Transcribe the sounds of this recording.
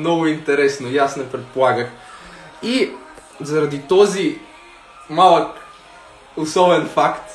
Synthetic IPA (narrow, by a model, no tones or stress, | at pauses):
nɔɡʊint̪ɛɾɛsnojasnɛpɾɛt̪̚polˠaɡəx | i | zɐɾɐd̪it̪ɔzi | malˠək | ʊsɔvɛnfakt̪